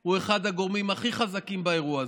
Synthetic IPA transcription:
ue̞χad̪haɡo̞ʁmimaχiχazakimbae̞ʁuaz

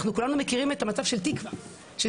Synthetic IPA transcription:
χnukulanume̞kiʁime̞tamat͡sav̥ʃe̞ltikva | ʃe

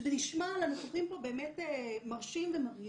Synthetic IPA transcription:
beniʃmalanoχsoχimpo̞beːmetemaʁʃimvemaʁi

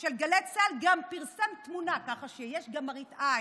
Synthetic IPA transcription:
ʃelɡaletsalɡampiʁsamt̪munakaχaʃejeʃɡamaʁit̪ʔa

